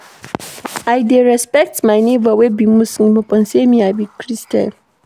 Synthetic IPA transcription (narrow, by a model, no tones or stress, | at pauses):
ʔajdeɾɛspɛk̚tmajnevawɛbimusimupʼɔnsemiabikɾista̰l